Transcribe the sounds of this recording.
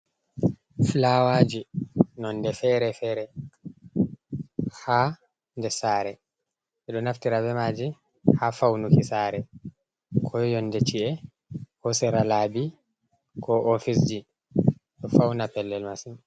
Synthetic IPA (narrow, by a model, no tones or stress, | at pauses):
flawaːd͡ʒinɔndɛfɛɾɛfɛɾɛ | ha | ndɛsaːɾɛ | ʔɛɗɔnaftiɾabɛmaːd͡ʒi | hafawnukisaːɾɛ | kʰɔjjɔnːdɛt͡ʃiʔɛ | kɔsɛɾalaːbi | kʰɔʔofisd͡ʒi | ɗɔfawnapɛlːɛlmasin